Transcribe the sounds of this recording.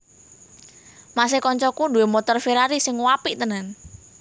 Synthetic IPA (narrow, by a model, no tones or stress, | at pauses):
mas̬ekɔɲt͡ʃɔkuduwemɔt̪ɔrfeɾaɾisɪŋwapiʔt̪ənən